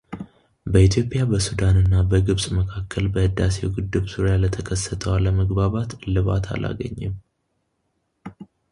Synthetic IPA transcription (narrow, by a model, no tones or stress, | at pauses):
bəit̪ʰjo̞pʼɪjabəsud̪anɨnːabəɡɨβsʼməkʰakʰːəlbəhɨd̪ːase̞̰wɡɨd̪ːɨβzuɾjalət̪ʰəkʰəsːət̪ʰəwaləməɡbaβat̪lɨβa̰t̪ʰa̰lʔa̰ɡə̰ɲːɨm